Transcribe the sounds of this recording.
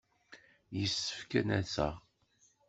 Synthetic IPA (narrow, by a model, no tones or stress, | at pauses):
jəsːə̥fkænæsə̰ʁ